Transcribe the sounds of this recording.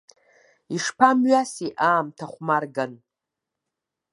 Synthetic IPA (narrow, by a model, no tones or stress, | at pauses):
iʂpʰamɥasiʔaːmtʰaχʷmarɡan